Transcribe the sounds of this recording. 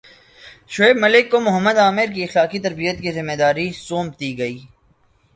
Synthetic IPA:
ʃʊeːbmɐlɪkːomʊɦəmːəd̪aːmɪɾk̬iɐxlaːkit̪ɐɾbijət̪̚kizɪmːed̪aːɾisoːmt̪iɡɐiː

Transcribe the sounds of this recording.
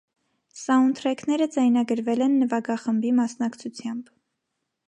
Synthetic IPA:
sɑunt̪ʰɾɛkʰnɛɾəd͡zɑjnɑɡəɾvɛlɛnːəvɑɡɑχəmbimɑsnɑkt͡sʰut͡sʰjɑmb

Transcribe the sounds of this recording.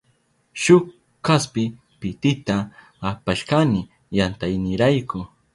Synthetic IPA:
ʃʊk | kaspɪ | pɪt̪ɪt̪aː | paʃkanɪ | jant̪ajnɪɾajkʊ

